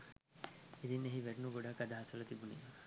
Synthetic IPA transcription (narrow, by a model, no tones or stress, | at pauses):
ed̪inːeɦiʋɛɾnuɡoɽakad̪aɦasɐlɐt̪ibunḭ